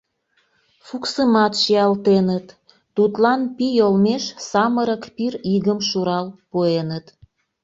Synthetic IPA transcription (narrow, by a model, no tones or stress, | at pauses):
fuksəmɑt̪ʃiɑlt̪enət̪ː | ut̪lɑnpijolmeʃsɑməɾəkpiriɣəmʃuɾɑlpoenət̪